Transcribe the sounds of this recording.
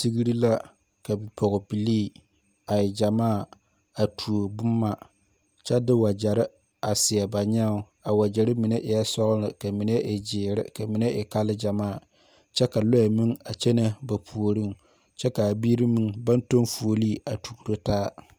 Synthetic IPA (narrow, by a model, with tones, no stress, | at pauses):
ti˦ɡi˦ɾi˦la˦ | ka˨bi˨pʰɔ˨ɣɔ˨bi˨liː˦˨ | a˨jɪ˨d͡ʒa˨maː˦˨ | a˨tʰu˨o˨bʊ˦mːa˦ | t͡ʃɛ˦dɪ˦wa˨d͡ʒa˨ɾɪ˦ | a˨sɪ˨ɛ˨ba˨ɲɛ˦ʊ˨ | a˨wa˨d͡ʒɛ˨ɾɪ˦mi˨ne˦ʔɪ˨ja˦sɔ˦ɣlɨ˨ka˨mi˨nɛ˦ʔɪ˨d͡ʒɪː˨ɾɪ̰˦ka˨mi˨ne˦ʔɪ˨ka˦lɨ˦d͡ʒa˨maː˦˨ | t͡ʃɛ˦ka˨lɔ˦ɛ˨mi˦ŋa˨t͡ʃɛ˦na˦ba˨pʰu˨o˨ɾi˦ŋ | t͡ʃɛ˦ka˨bi˦ɾi˦mi˦˨ŋba˦nto˦nfu˨o˨li˦a˨tu˨ku˨ɾo˦taː˦